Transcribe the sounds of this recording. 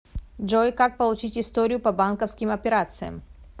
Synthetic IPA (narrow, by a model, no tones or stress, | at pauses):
ʐojkak̚pəlˠʊt͡ɕitʲɪst̪oɾʲɪjʊpɐbankəfskʲɪmɐpʲɪɾat̪sɨjə̰m